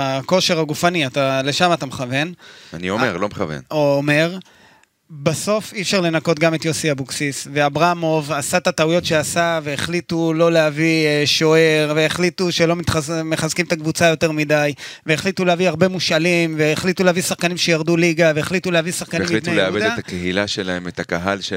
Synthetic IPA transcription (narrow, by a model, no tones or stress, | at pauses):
ako̞ʃeʁaɡufaniat̪ale̞ʃamat̪ameχave̞na̰nḭo̰meʁlomeχa̰vḛnoːme̞ʁ | baso̞fifʃaʁle̞nako̞t̪̚ɡamet̪josiabuksisve̞abʁamo̞vasat̪at̪aujo̞tʃe̞asave̞eχlitulo̞leaviʃo̞eʁveːχlituʃe̞lo̞mit̪χameχazkimt̪akvut͡sajo̞te̞ʁmidajve̞ːχlituleaviaʁbe̞muʃalimveːχlit̪uleavisaχkanimʃejaʁd̪uliɡave̞eχlit̪uleavisaχkanimileleabed̪eat̪akeɦilaʃela̰emet̪akaɦa̰lʃe